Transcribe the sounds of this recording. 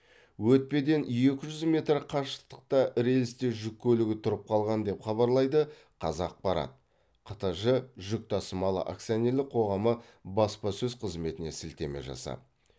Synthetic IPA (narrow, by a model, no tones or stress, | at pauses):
wɵt̪̚pe̞d̪e̞nje̞kʲɪʒʏzme̞t̪rqʰɑʃə̥t̪ə̥q̚t̪ɑɾe̞lɪst̪e̞ʒʏkʲːʰɵlɪɡʲɪt̪ʰʊɾəp̚qʰɑlˠʁɑnd̪e̞pχɑβɑɾlˠɑjd̪ə | qʰɑzɑq̚bɑɾɑ̰t̪̚ | qʰɑt̪ɑʒəʒʏk̚t̪ʰɑsəmɑlˠə̰ʔa̰ksijoneɾlɪk̚qʰo̞ʁɑmə | bɑspɑsɵzqʰəzme̞t̪ɪne̞sɪlt̪e̞me̞̰ʒɑ̰sɑ̰